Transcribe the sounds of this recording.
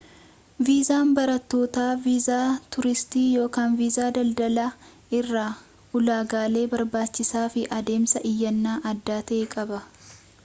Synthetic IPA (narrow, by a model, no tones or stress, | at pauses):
viːzaːnbɐɾɐt̪ːo̞ːt̪aːviːzaːt̪ʊɾɪst̪iːjo̞ːkaːnviːzaːd̪ɐld̪ɐla | ɪrːaː | ʊlaːɡaːle̞ːbɐɾbaːt͡ʃːɪsaːfɪʔɐd̪e̞ːmsɐʔɪjːɐnːaːʔɐd̪ːaːt̪ɐʔeːkʼɐbɐ